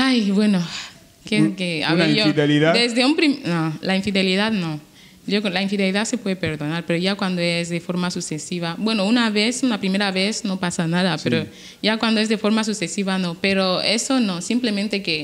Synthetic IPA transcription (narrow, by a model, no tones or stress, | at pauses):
ajβweno | kekea̰ββejoðeliðad̪ezðeumpɾimnolaiɱfiðeliðaðno | ʝoklaiɱfiðeliðaðsepweðepeɾðonaɾpe̞ɾoʝakwand̪oezðefo̞ɾmasusesiβabwe̞nounaβesunapɾimeɾaβesnopasanaðapeɾo | ʝakwand̪oezðefo̞ɾmas̬usesiβanopeɾoesonosimplemẽnt̪eke